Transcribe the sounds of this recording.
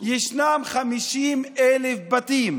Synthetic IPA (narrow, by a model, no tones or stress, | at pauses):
jeʃnamχamiʃimelefbat̪im